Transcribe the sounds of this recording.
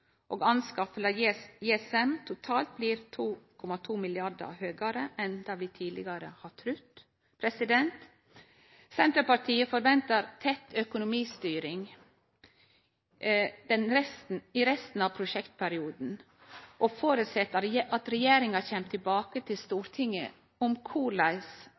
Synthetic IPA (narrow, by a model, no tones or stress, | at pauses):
ʔoːɡɑnskɑfəlɑjeɛsɛmt̪ʰʊt̪ʰɑːlt̪̚bliːɾt̪ʰuːkʰɔmɑt̪ʰuːmɪlɪɑɾd̪ə̰ɾhøːɡɑɾəʔɛnd̪ɑːʋiːt̪ʰiːd̪lɪ̰ɡɑɾəhɑt̪ʰɾʉt̪ː | pʰɾɛsɪd̪ɛnt̪ | sɛnt̪ɾəpɑʈʰiːəfɔɾʋɛnt̪əɾt̪ʰɛt̪œkʊnʊmiːst̪yːɾɪŋ | d̪̥ɛnɾɛst̪n̩ɪɾɛst̪n̩ɑʋpʰɾʊʃɛkt̪pʰæɾɪuːd̪n̩ | ʔɔfoːɾʉt̪sɛt̪ːəɾʔɑt̪ɾɛjeːɾɪŋɑçɛmt̪ʰːɪlbɑːkət̪ʰɪlst̪uːɾt̪ʰɪŋːə̰ | ʊmkʰuːlɑɪs